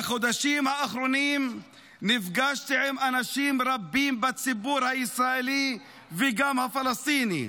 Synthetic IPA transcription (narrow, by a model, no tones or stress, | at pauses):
aχod̪aʃimhaːχɾonim | nifɡaʃt̪iʕemanaʃimɾabːimbat͡sibuɾhaisɾaeli | veɡamhafalast̪inḭ